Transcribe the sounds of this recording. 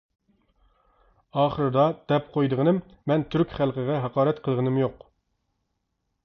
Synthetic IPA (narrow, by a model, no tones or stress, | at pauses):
ɑːχəɾɨd̪ɑd̪̥ɛpqʰojd̪ɨʁənɨmː | ɛnt̪ʰyɾkʲχælˠqʰəʁɛɦɑqɑːɾɛt̪qʰəlˠʁənɨmjoq